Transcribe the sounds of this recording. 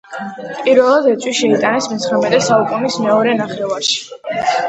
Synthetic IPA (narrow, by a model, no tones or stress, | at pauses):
pʼiɾvɛlˠad̪ɛt̪sʼwiʃɛit̪ʼanɛsmɛt̪sʰχɾamɛt̪ʼɛsaukʼunismɛɔɾɛnaχɾɛvaɾʃi̥